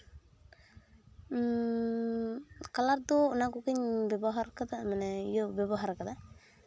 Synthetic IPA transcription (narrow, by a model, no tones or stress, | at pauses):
kalaɾd̪ɔːnakukiɲbɛbɔɦaɾkad̪amanɛijɔbɛbɔɦaɾkad̪a